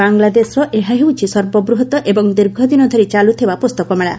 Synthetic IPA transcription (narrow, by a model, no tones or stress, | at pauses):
aŋlad̪esɾɔʔeɦaɦewt͡ʃʰisɔɾbɔbɾuɦɔt̪ɔʔebɔŋd̪iɾɡʱɔd̪inɔd̪ʱɔɾit͡ʃalut̪ʰibapost̪ɔkɔmeɭa̰